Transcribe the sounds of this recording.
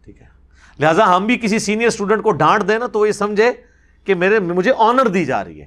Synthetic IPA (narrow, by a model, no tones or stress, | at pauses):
ʈʰiːkɦɛː | lɪɦaːzaɦɐmbʱikɪsisiːnijəɾsʈuːɖə̃ɳʈ̚koɖãːʈd̪ẽːnat̪oʋojesɐmd͡ʒʱẽ | kemeːɾemʊd͡ʒʱeʔɔːnəɾd̪iːd͡ʒa̰ːɾə̰ɦḭɦɛ̰ː